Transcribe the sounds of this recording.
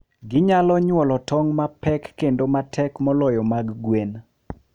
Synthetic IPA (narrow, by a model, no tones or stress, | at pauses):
ɡɪɲalɔɲwɔlɔtɔŋmapɛkːendomatʰɛkmɔlɔjɔmaɡɡwen